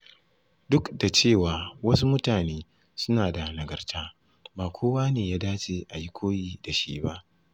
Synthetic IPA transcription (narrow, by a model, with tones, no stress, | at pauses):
dʊ˦kda˨t͡ʃeː˦˨waː˨wɐ˦su˦mʊ˦taː˨neː˦ | sʊ˦naː˨da˨nɐ˨ɡɐ˨rtʰaː˦ | baː˨kʷʰoː˦waː˦neː˨jaː˦daː˦t͡ʃeː˦ʔa˨ji˦kʷʰoː˦jiː˦da˨ʃḭː˦ba˦ʔ